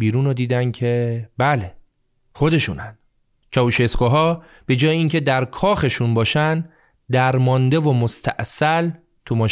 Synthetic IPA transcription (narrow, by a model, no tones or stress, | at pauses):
biːɾuːnod̪iːd̪æncʰe̞bæle̞ | χo̞d̪e̞ʃuːnæn̥ | t͡ʃʰɒːvuʃeskoɦɒː | b̥e̞d͡ʒɒːjeiŋcʰe̞d̪æɾkʰɒːxe̞ʃunbɒːʃæn | d̪æɾmɒnd̪e̞vo̞most̪ʰæ̰ʔsæl | t̪ʰumɒːʃ